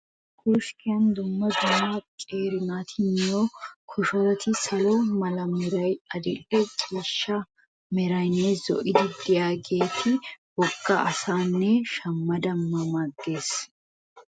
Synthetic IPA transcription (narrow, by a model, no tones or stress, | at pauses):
ɡuʃkʰɪjɐnd̪ʊmːɐd̪ʊmːɐkʼeːɾɪnaːt̪ʰɪnɪjɔkʰʊʃɔɾɐt̪ʰɪsɐlɔmɐlɐmɛɾɐjɐd̪ɪlːɛt͡ʃʼiːʃːɐ | mɛɾɐjnːɛzɔ̰ʔɪd̪ɪd̪ɪjaːɡe̞ːt̪ɪwɔɡːɐɐsaːnːɛʃɐmːɐd̪ɐmːɐmaɡːe̞ːs